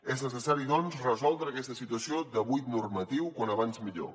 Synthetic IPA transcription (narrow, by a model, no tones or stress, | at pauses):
eznəsəsaɾiðɔnzrəzɔlˠd̪ɾəːkɛst̪əsit̪uəsiod̪əβujt̪nurmət̪iwkwanəβ̞anzmiʎo̰